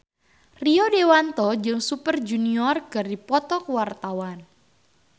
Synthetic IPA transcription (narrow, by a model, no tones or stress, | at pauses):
riɔdewant̪ɔd͡ʒɨŋsupərd͡ʒuniɔrɡərdipɔt̪ɔkwart̪awan